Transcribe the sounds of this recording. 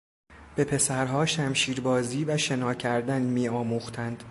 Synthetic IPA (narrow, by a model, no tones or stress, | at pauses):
b̥e̞pʰe̞sæɾɦɒːʃæmʃiːɾbɒːziːvæʃe̞nɒːcʰæɾd̪ænmiːɒːmuːxt̪ʰænd̪̥